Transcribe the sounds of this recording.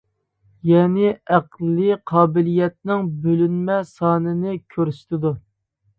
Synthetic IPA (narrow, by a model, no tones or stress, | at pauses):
jɛːnɪæqlːɨqʰɑːbɪlijɛt̪̚nɪŋbølynmɛsɑːnɨnɪkʲʰøɾst̪ɪd̪u